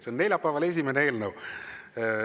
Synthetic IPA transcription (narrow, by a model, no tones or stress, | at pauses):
senːe̞lʲɑpːæːvɑle̞s̬ʲimenee̞ːlnəw